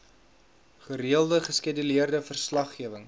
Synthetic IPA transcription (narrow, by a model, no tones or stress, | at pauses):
χəriəlˠdəχəskedyliərdəfərslɐχːiəvəŋ